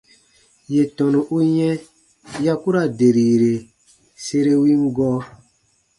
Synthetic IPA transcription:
je˨tɔ̃˨nũ˨ʔu˦jɛ̃˦ | ja˦ku˦ɾa˨de˨ɾi˨ɾe˨ | se˧ɾe˦wi˦ŋ˦ɡɔː˦

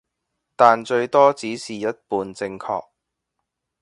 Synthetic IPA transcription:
t̪aː˨nt͡ʃɵ˧ɥt̪ɔː˥t͡siː˨˥siː˨˩jɐ˥t̚puː˨nt͡sɪ˧ŋkʰɔ̰ː˧k̚

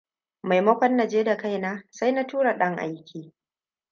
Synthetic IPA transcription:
ma˨jmɐ˦kʷɐ˦nːa˨d͡ʒeː˦da˨ka˦jnaː˦sa˦jna˦tuː˦ɽa˨ɗɐ˦ŋʔa̰˦jkʲʰiː˨

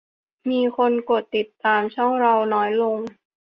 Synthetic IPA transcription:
miː˧kʰo˧nko˨˩t̪ːi˨˩t̪ːaː˧mt͡ɕʰɔ˥˩ŋɾa˧wnɔː˦˥jlo˧ŋ

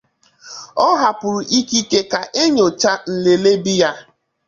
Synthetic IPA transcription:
ɔ˦ɦa˨pʊ˨ɾʊ˨ʔi˦ki˦ke˦ka˨ʔe˦ɲo˨t͡ʃa˦n̩˨le˨le˦bi˦ja˦

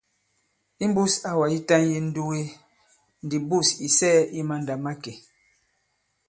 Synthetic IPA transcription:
i˦m˦bu˦sa˨wa˨i˦ta˦nje˦n̩˦du˦ɣe˦ | n˨di˨bu˦˨si˨sɛː˦i˦ma˦n˨da˨ma˦ke˨

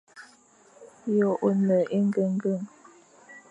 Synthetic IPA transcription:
jɔ˨ʔo˨nə˨ʔi˦ŋ˦ɡə˦ŋ˦ɡə˦˨ŋ

